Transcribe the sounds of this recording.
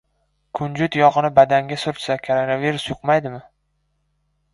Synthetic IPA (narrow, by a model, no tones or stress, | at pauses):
kʰʊnd͡ʒʊt̪jɒʁɨnɪbad̪aŋɡʲasʊɾt͡ʃ̪sakʰoɾonaviɾʊsjʊqmajd̪ɪmɪ